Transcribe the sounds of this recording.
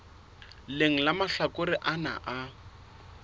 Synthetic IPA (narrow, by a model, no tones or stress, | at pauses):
leŋ̩lamaɬakʼʊɾɪʔana̰ʔa